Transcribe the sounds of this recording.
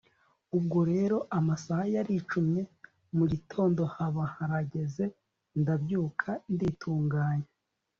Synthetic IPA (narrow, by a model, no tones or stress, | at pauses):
ub̚ɡoɾe̞ːɾo̞ʔamasahajaɾit͡ʃumɲe̞ | muɟitʰo̞ːndo̞haβahaɾaɟe̞ze̞ | ndabjuːkʰanditʰuːŋɡaːɲe